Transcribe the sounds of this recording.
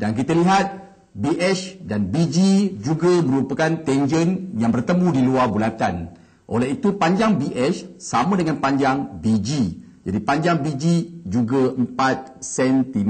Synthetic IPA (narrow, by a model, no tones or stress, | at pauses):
dank̬it̪aliɦat̪̚ | biʔɛt͡ʃdanbid͡ʒid͡ʒuɡamə̃ɾupakant̪ɛnd͡ʒənjaŋbərt̪əmũdiluarbulat̪an | ʔo̰lɛɦit̪upaɲd͡ʒaŋbiʔɛt͡ʃsamãdəŋanpaɲd͡ʒaŋbid͡ʒi | d͡ʒadipaɲd͡ʒaŋbid͡ʒid͡ʒuɡaəmpat̪̚sɛnt̪im